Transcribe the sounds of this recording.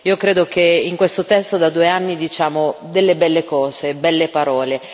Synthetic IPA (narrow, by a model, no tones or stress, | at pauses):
iːokɾeːd̪okeiŋkwest̪ot̪ɛst̪od̪ad̪ueanːid̪it͡ʃaːmod̪elːebɛlːekɔːzebɛlːepaɾɔːle